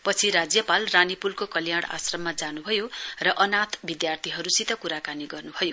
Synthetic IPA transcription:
pʌt͡sʰiɾad͡zjʌpalranipulkokʌljaɽ̃a̰srʌmːad͡zanubʱʌjorʌʔʌnat̪ʰbid̪jart̪ʰiɦʌɾusit̪ʌkuɾakaniɡʌrnubʱʌjo

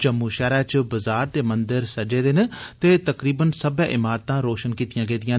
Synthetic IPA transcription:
d͡ʒəmːuːʃɛːɾɛːt͡ʃbəzaːɾt̪eːmənd̪əɾsəd͡ʒeːd̪ent̪eːt̪əkɾiːbənsəbɛ̃ːʔɪmaːɾt̪ãːɾoːʃənkiːt̪ɪjãːɡẽːd̪ɪjãː

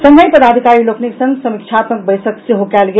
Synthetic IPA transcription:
səməjpəd̪ad̪ʱikaɾilokniksə̃ŋɡsəmik̚t͡ʃʰat̪mək̚bəjsəkseɦokɛlɡe

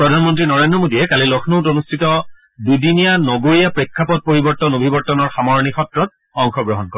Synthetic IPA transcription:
pɹɔdʱanmɔntɹinɔɹendɹɔmodijɛkalilɔxʰnotonustʰitɔ | dudinijanɔɡoɹijapɹekʰːapɔt̚poɹibɔɹtɔnobʱibɔɹtɔnɔɹxamɔɹnixɔtɹɔt̚ | ɔŋxɔɡɹɔɦɔnkɔɹɛ

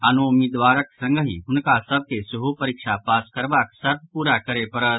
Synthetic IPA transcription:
anuumid̪ʋaːɾəksə̃ŋɡʱəɦḭ̃ɦunkasəb̚kesuɦupəɾikʂapaːskəɾʋaksɐɾʋpuɾakəɾepəɾət̪

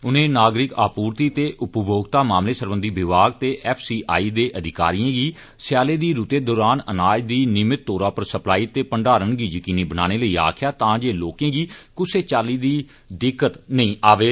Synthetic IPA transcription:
ʊnẽːnaːɡɾɪka̰ːpuːɾt̪iːt̪eːʔʊpəbʱoːɡt̪aːmaːmleːsəɾbə̃nd̪ʱiːbɪʋaːɡt̪eːʔɛːpʰsiːʔa̰ːiːd̪eːʔəd̪ʱɪka̰ːɾijãːɡiː | sjaːleːd̪iːɾut̪eːd̪ɔːɾaːnənaːd͡ʒd̪iːnɪmɪt̪̚ːoːɾaːpəɾsəplaːiːt̪eːpəɳɖaːɾənɡiːjəkiːniːbənaːñeːləiːa̰ːkʰɪjaːt̪ãːd͡ʒeːloːkẽːɡiːkʊseːt͡ʃaːliːd̪iː | ɖɪkːət̪nəĩːʔaːʋeː

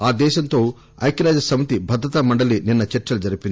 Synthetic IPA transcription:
aːd̪ɛːʃɐnt̪o̞ː | ɐ̰jkɐɾaːd͡ʒɐsɐmɐt̪ibʱɐd̪ɾɐt̪ɐmɐɳɖɐlininːɐt͡ʃɐɾt͡ʃːɐlud͡ʒɐɾipind̪i

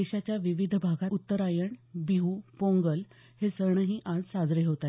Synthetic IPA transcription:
eɕat͡ɕjaʋiʋid̪ʱbʱaɡaut̪ːəɾajəɳbiɦupõŋɡəl | hesəɾɳəɦiːʔãd͡zsad͡zɾeɦot̪a

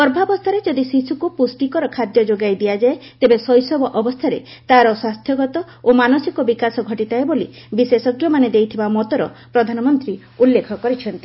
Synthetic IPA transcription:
ɔɾbʱabɔst̪ʰaɾed͡ʒɔd̪isisukupusʈikɔɾɔkʰad̪jɔd͡ʒoɡajd̪ijad͡ʒaet̪ebesɔjsɔbɔʔɔbɔst̪ʰaɾḛ | t̪aɾɔswast̪ʰjɔɡɔt̪ɔ | omanosikɔbikasɔɡʱɔʈit̪aebolḭbisesɔɡjɔmaned̪ejt̪ʰibamɔt̪ɔɾɔ̰pɾɔd̪ʱanɔmɔnt̪ɾi | ulːekʰɔkɔɾit͡ʃʰɔnt̪i

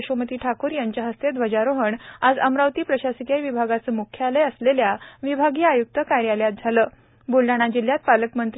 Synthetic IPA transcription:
ɕomət̪iːʈʰakuːɾjaɲt͡ɕjaɦəst̪ed̪ʋəd͡ʑaɾoɦəɳad͡zəmɾawt̪iːpɾəɕasikjajʋibʱaɡat͡səmukʰːjəaleəsleljaʋibʱaɡiːajuk̚t̪əkaɾjaljat̪̚d͡zʱaləː | bulɖaɽ̃ad͡ʑil̤ːjat̪̚paləkmənt̪

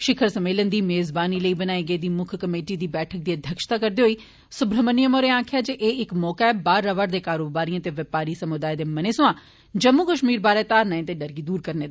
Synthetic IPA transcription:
ʃɪkʰəɾsəmeːlənd̪iːmeːzbaːniːləiːbənaːiɡəeːd̪iːmʊkʰkəmeːʈiːd̪iːbɛːʈʰək̚d̪iːəd̪ʱjəkʃt̪aːkəɾd̪eːɦoiː | sʊbɾəmənɪjəmoːɾeːãːkʰɪjaːd͡ʒeʔeːɪkmɔːkaɛbaːɾːəʋəɾd̪eːkaːɾoːbaːɾiãːt̪eːʋɪpaːɾiːsəmʊd̪aːjd̪eːməneːsʊãː | d͡ʒəmːuːkəʃmiːɾbaːɾɛːt̪aːɾnaẽt̪eːɖəɾɡiːd̪uːɾkəɾneːd̪a

